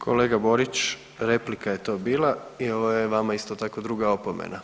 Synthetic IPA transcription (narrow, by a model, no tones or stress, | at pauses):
kʰo̞le̞ːɡabo̞ɾit͡ʃ | ɾe̞plikaje̞t̪o̞ːbiːlaio̞ʋojeʋamaist̪ot̪ako̞d̪ɾuɡao̞pomḛna